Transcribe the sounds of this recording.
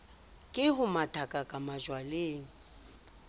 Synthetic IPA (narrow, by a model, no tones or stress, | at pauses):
kʼɪhʊmatʰʼakʼakʼamaʒwaleːŋ̩